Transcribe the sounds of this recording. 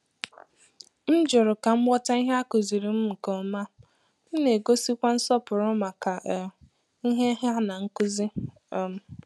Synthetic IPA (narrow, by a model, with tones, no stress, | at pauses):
n̩˦d͡ʒʊ˨ɾʊ˨ka˨m̩˦bɔ˦ta˦i˦ɦe˦a˦kʊ˨zi˨ɾi˨m̩˦m̩˨kɔ˨ma˦ | n̩˦ne˨ɡo˦si˦kʷa˦n̩˦sɔ˦pʊ˨ɾʊ˦ma˨ka˨ | i˦ɦe˦ɦa˦na˨ŋ̩˦kʊ˦zi˦ | ɔ˦m̩˦